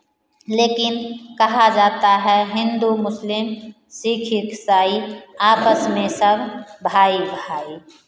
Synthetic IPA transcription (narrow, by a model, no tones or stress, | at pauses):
leːkɪnkɐɦad͡ʒaːt̪aɦɛɦɪ̃nd̪umʊslɪm | siːkʰɪksaːiaːpəsmẽsɐbʱbʱaːibʱaːi